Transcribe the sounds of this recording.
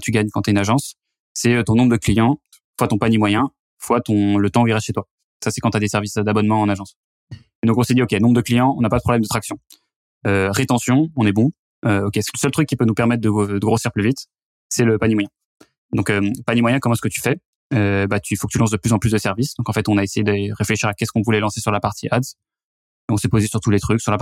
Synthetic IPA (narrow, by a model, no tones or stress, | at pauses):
t̪ʰyɡaɲkɑ̃t̪aynaʒɑ̃sː | ɛøt̪ɔ̃nɔ̃bʁəd̪əklijɑ̃ | fwat̪ɔ̃panimwajɛ̃ | fwat̪ɔ̃lət̪ɑ̃uiʁɛʃet̪wa | sasɛkɑ̃t̪yad̪esɛʁvisd̪abɔnmɑ̃ɑ̃naʒɑ̃s | ed̪ɔ̃kɔ̃sɛd̪iokʲenɔ̃bʁəd̪əklijɑ̃ɔ̃napad̪əpχɔblɛmd̪ət̪χaksjɔ̃ | øʁet̪ɑ̃sjɔ̃ɔ̃nɛbɔ̃ | øɔkʲesləsœlt̪χykːipønupɛʁmɛt̪̚d̪əd̪əɡʁosiʁplyvit̪ | sɛləpanimwajɛ̃ | d̪ɔ̃køpanimwajɛ̃kɔmɑ̃ɛsəkət̪y̥fɛ | øbat̪ʰyifokə̥t̪ylɑ̃s̬d̪əplyzɑ̃plys̬d̪əsɛʁvisd̪ɔ̃kɑ̃fɛt̪ɔ̃naesejed̪eʁefleʃiʁakʲɛskɔ̃vulɛlɑ̃sesyʁlapaʁt̪ʰiʔad̪z | eɔ̃sɛpozesyʁt̪ulet̪χyksyʁlap